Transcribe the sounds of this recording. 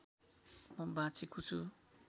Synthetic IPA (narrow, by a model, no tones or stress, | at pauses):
mʌbãt͡sʰikut͡sʰu